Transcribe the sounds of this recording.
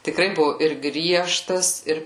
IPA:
tʲɪˈkrɐɪ ˈbʊʋʊ ɪr ˈɡrʲiɛʃtɐs ˈɪr

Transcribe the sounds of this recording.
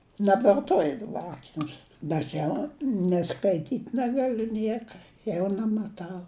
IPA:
nʲɛbʋɐrˈtoːjɪ dɐˈbɐ ˈɑːkʲɪnʲʊs bʲɛt ˈjɛʊ nʲɪ skɐɪˈtʲiːtʲ nʲɛɡɐˈlʲʊ ˈnʲiɛkɐ ˈjɛʊ nʲæmɐˈtɐʊ

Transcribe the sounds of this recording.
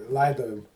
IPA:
ˈlˠɐɪdoːjʊm

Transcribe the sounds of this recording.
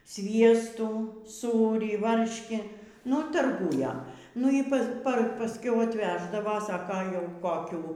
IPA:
ˈsʲʋʲiɛstuː ˈsuːrʲiː ˈʋɐrʲʃʲkʲiː nʊ tɐrˈɡuːjɛ ˈnʊ iː ˈpɐs pɐ pɐsʲˈkʲɛʊ ɐtʲˈʋʲæːʒdɐʋɐ ˈsɑːkɐ jɛʊ koːˈkʲuː

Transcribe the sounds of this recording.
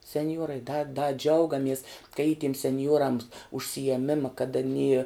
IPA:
sʲɛnʲˈjuɔrɐɪ dɐ dɐ ˈd͡ʒʲɛʊɡɐmʲiɛs kɐ iː tʲiɛm sʲɛnʲˈjuɔrɐms ʊʃʲsʲɪjiɛˈmʲɪmɐ kɐt ɐˈnʲiː

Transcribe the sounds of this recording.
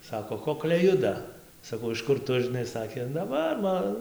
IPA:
ˈsɑːkoː ˈkoːklʲɛɪ ˈjʊdɐ sɐˈkɐʊ ɪʃ ˈkʊr ˈtʊ ʒʲɪˈnɐɪ ˈsɑːkʲeː nɐ ˈʋɐ ˈmɐ

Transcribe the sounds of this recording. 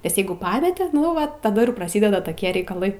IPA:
nʲɛs ˈjɛɪɡʊ ˈpɑːmʲɛtʲɪ nʊ ˈʋɐ tɐˈdɐ ɪr prɐˈsʲɪdʲɛdɐ toːˈkʲiɛ rʲɛɪkɐˈlˠɐɪ

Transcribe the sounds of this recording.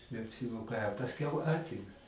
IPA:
nʲɛɐpʲsʲɪˈmoːkɐ ɐ pɐsʲˈkʲɛʊ ˈɑːtʲɪmʲɛ

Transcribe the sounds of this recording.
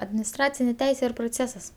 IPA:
ɐdʲmʲɪnʲɪsˈtrɑːt͡sʲɪnʲeː ˈtʲɛɪsʲeː ɪr proːˈt͡sʲeːsɐs

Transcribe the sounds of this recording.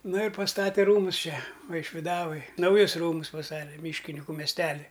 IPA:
nʊ ɪr pɐsˈtɑːtʲɛ ˈruːmʊs ˈt͡ʃʲɛ ʋɐɪʃʲʋʲɪˈdɑːʋoːj nɐʊˈjʊs ˈruːmʊs pɐˈstɑːtʲɛ ˈmʲiːʃʲkʲɪnʲɪkʊ mʲɛsʲˈtʲæːlʲɪ

